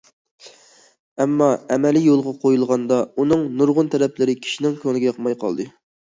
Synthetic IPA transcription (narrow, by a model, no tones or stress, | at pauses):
ɛmːɑɛmɛlijolˠʁɑqʰojulˠʁɑnd̪ɑunɨŋnuɾʁʊnt̪ʰɛɾɛplɪɾɪkʲʰi̥ʃinɪŋkʲʰøŋnɪɡʲɛjɑqmɑjqʰɑ̰lˠd̪ɨ